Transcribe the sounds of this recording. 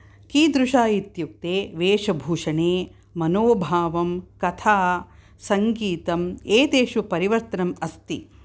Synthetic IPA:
kiːd̪ɾuʂaːjit̪juk̚t̪eːʋeːʂɐbʱuːʂɐɳeː | mɐnoːbʱaːʋɐmkɐt̪ʰaː | sɐŋɡiːt̪ɐmeːt̪eːʃupɐɾiʋɐɾt̪ɐnɐmɐst̪ḭ

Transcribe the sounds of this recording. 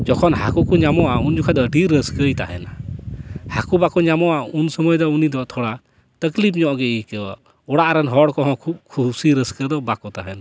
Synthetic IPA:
d͡ʒɔkʰɔnɦakukɔɲamɔʔaund͡ʒukʰad̪əʈiɾəskəjt̪a̰ɦɛ̰na | hakubakɔɲamɔʔaunsəməjd̪ɔunid̪ɔʔt̪ʰɔɽa | t̪əklipʰɲɔ̃ʔɡɛikɛwa̰ | ɔɽaʔɾanɦɔɽkɔɦɔ̃kʰub̚kʰusiɾəskəd̪ɔbakɔt̪aɦɛna

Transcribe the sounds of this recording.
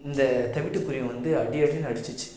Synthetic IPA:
ɪnd̪ɐt̪ɐʋɪʈːɯkːʊɾɪjɐ̃ʋɐnd̪ɯɐɽɪɐɽɪnɐɽɯt͡ʃːɯt͡ʃːɯ̥

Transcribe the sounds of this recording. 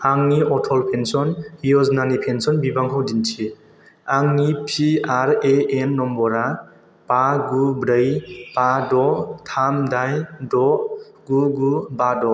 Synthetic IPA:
aŋniɔtʰɔlpʰensɔnhijɔznanipʰensɔnbibaŋkʰɔwdintʰi | aŋnipʰiaɾeenːɔmbɔɾa | paɡubɾəjpadɔtʰamdajdɔ | ɡuɡubadɔ

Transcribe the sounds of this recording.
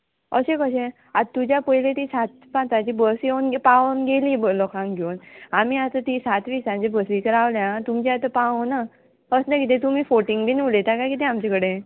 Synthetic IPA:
ə̰ɕẽkəɕe | at̪ud͡ʑjapəjlẽt̪isat̪ | pãt͡sat͡ɕibəsjewnɡpaʋənɡelibəlɔkãŋɡʱewnamiat̪ət̪isat̪ʋiːsãt͡ɕebəsʋikəɾaʋljãt̪umt͡ɕaat̪əpaʋona | əsnakit̪̬ẽt̪umiːfoʈiŋɡbinulet̪akakit̪̬ẽamt͡ɕakəɽe

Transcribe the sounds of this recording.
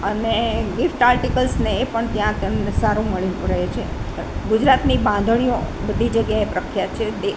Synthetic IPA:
əneɡɪfʈaɾʈikəlsneːpəɳt̪jãt̪enesaɾũməɭinuɾəɦet͡ʃʰe | ɡud͡ʒɾat̪nibãnd̪ʱəɳ̃ijobəd̪ʱid͡ʒəɡjaepɾəkʰjat͡ʃʰed̪e

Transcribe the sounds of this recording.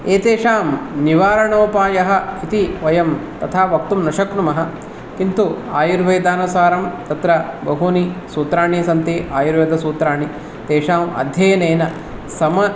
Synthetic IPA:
eːt̪eːʂaːmniʋaːɾɐɳoːpaːjɐɦɐ̆it̪iʋɐjɐmt̪ɐt̪ʰaːʋɐk̚t̪umnɐʃɐknumɐɦɐ̆ | kint̪ua̰ːjuɾʋeːd̪aːnusaːɾɐmt̪ɐt̪ɾɐbɐɦuːnisuːt̪ɾaːɳisɐnt̪iʔaːjuɾʋeːd̪ɐsuːt̪ɾaːɳi | t̪eːʂaːmɐ̰d̪ʱjɐjɐneːnɐ | sɐmɐ

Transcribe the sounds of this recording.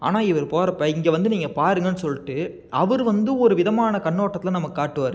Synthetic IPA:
a̰ːnaːɪʋɐɾpoːɾɐpːɐːɪŋɡeʋɐnd̪ɯniːŋɡɐpaːɾɯŋɡɐnːɯsɔlːɪʈːɯ | ɐʋɐɾɯʋɐnd̪ɯɔɾɯʋɪðɐmaːnɐkɐɳːoːʈːɐt̪ːɪlɐ̃nɐmɐkːɯkːaːʈːɯʋaːɾɯ

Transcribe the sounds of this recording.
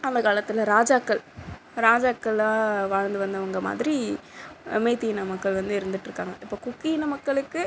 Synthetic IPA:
ɐnd̪ɐkaːɭɐt̪ːɪlɐɾaːd͡ʒaːkːɐɭ | ɾaːd͡ʒaːkːɐɭaːʋaːɻnd̪ɯʋɐnd̪ɐʋɐŋɡɐma̰ːðɪɾi | meːt̪ːijnɐmɐkːɐɭʋɐnd̪ɯɪɾɯnd̪ɯʈːrɯkːaːŋɡɐʔɪpːoːkʊkːijnɐmɐkːɐɭɯkːɯ

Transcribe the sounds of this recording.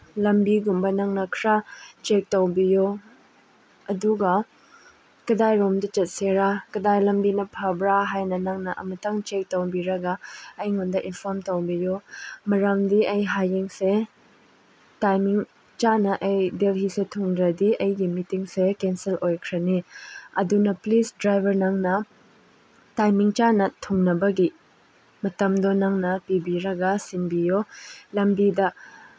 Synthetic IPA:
lɐmbiɡumbɐnɐŋnɐkʰɾat͡ʃek̚towbijo | ɐduɡɐ | kɐdajɾomdɐt͡ʃɐt̚seɾakɐdajlɐmbinɐpʰabɾaɦajnɐnɐŋnɐʔɐ̰mɐtaŋt͡ʃek̚towbiɾɐɡɐɐjŋundɐʔinpʰɔɾmtowbijomɐɾamdiɐjɦajiŋse | tajmiŋ | t͡ʃanɐʔɐjdelɦisetʰuŋdɾɐdiɐjɡimitiŋsekenselʔojkʰɾɐniɐdunɐplisdɾajbʱɐɾnɐŋnɐ | tajmiŋt͡ʃanɐtʰuŋnɐbɐɡi | mɐtɐmdonɐŋnɐpibiɾɐɡɐsinbijolɐmbidɐ

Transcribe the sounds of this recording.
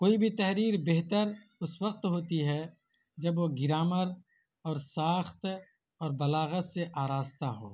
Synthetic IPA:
koːibʱit̪ɐɦɾiːɾbeɦt̪əɾʊswəq̚t̪ɦoːt̪iɦɛ | d͡ʒɐbʋoɡɪɾaːməɾ | ɔːɾsaːxt̪ | ɔːɾbɐlaːɣət̪seʔaːɾaːzt̪aɦo̰ː

